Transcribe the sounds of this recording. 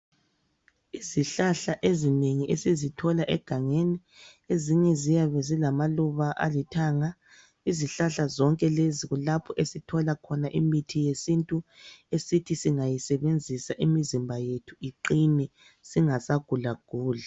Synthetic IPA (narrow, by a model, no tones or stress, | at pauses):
iziɬaɬaʔezineŋiesizitʰɔlaʔɛɡ̥ʱaŋeni | eziɲɛzijaβɛzilamaluβaʔa̰litʰaːŋa | iziɬaɬazɔŋkʼɛleziɣulapʰɔʔesitʰɔlakʰɔnaʔimitʰijesintʼuesitʰisiŋajisɛβend͡zʱisaʔimizimbʱajetʰuiǃinɛ | siŋasaɡ̥ʱulaɡ̥ʱuːla